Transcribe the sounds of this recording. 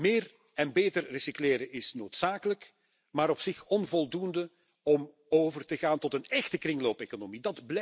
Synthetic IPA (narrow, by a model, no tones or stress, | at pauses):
mɪːr | ɛnbeːtərrəsikleːɾəʔɪsnoːtsaːkələk | maːɾɔpsɪxɔnvɔlˠdundə | ɔm | oːvərtəɣaːntɔtənɛxtəkrɪŋloːpekonomidɑdblɛ